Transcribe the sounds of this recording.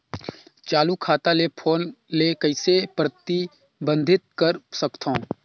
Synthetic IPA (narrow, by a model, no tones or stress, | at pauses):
t͡ʃaːlukʰaːt̪alepʰoːnlekəɪsepɾət̪i | bə̃nd̪ʱɪt̪̚kəɾsəkt̪ʰõː